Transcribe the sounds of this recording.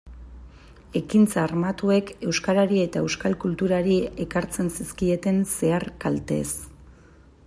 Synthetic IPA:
e̞kint͡saːɾmat̪ue̞ke̞wskaɾaɾie̞t̪ae̞wskalkult̪uɾaɾie̞kaɾt͡se̞nsiskie̞t̪e̞nse̞arkalt̪e̞̰s

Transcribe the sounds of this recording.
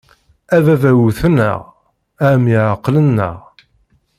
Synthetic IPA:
ævævæwuθənːə̰ʁ | æmjiʕɑqːlənːə̰ʁ

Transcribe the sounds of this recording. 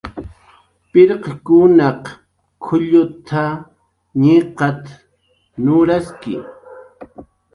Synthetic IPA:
pɪɾqɑkʊnɑq | kʰʊʎʊt̪ʰa | ɲiqɑt̪ | nʊɾaskɪ̰

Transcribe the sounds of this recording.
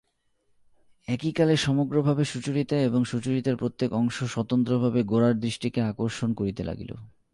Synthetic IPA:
ɛkikaleʃɔmoɡɾobʱabeʃut͡ɕuɾit̪aeboŋʃut͡ɕuɾit̪aɾpɾot̪ːekɔŋʃoʃɔt̪ont̪ɾobʱabeɡoɾaɾd̪ɾiʃʈikeakoɾʃonkoɾit̪elʔa̰ɡḭlo̰

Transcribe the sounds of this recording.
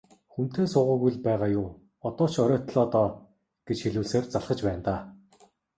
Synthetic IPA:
xun̥t̪eːsʊːʁə̆ɣujɮpæːʁaːjʊː | ɔt̪ɔːt͡ɕʰɔɾʲɔːt̪ɮɔːt̪ɔː | ɡ̥et͡ɕxeɮuːɮseːrt͡saɮχə̆t͡ɕpæːnt̪aː

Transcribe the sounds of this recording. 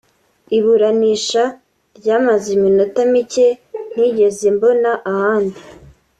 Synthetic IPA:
iβuɾaniːʃa | ɾɟaːmazemino̞tamicen̥iɟe̞ze̞mbo̞naʔahaːndi

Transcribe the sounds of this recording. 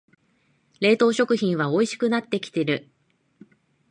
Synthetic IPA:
ɾe̞ːt̪o̞ːɕo̞kɯ̟çĩɰ̃βao̞iɕi̥kɯ̟nat̪ːe̞kʲi̥t̪e̞ɾɯ̟

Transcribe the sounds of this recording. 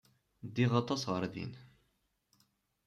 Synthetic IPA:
d̪iʁɑt̪ˤɑsʁəɾˤðḭn

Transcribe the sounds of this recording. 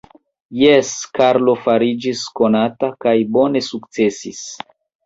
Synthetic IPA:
jeskaɾlo̞faɾid͡ʒisko̞natakajbo̞ne̞suk̚t͡se̞sis

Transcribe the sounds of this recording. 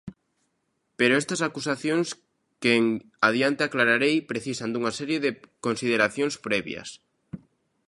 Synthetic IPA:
peɾoɛst̪ɐsakusaθjoŋs | keŋ | aðjant̪eaklaɾaɾejpɾeθisand̪uŋasɛɾjeðɪkonsið̞eɾaθjõŋspɾɛβj̰ɐ̰s

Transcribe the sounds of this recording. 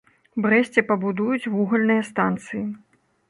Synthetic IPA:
bɾɛsʲt͡sʲɛpɐbud̪ujut͡sʲvuɣɐlʲnɨjɐst̪ant̪sɨji

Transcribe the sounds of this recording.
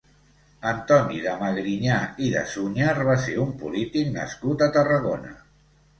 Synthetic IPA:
ənt̪ɔniðəməɣɾiɲaiðə̰suɲarβ̞aseɾumpulit̪ik̚nə̰skut̪ət̪ərəɣ̞onə̰

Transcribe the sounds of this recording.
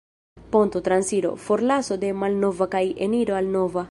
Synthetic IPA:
pont̪ot̪ɾansiɾo̰foɾlasod̪emalnovakajeniɾoalnova

